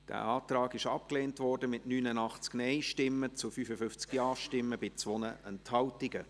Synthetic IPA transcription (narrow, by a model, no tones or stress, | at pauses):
d̥æ̰ːɑːtɾɑːɡɪʃɑp̚kleːntvɔrdəmɪtnyːnənɑχt͡sknɛɪʃtɪmːət͡sufyːfəfʏft͡skjɑːʃtɪmːəb̥ɪt͡sʋɔnəʔɛnthɑwtɪɡə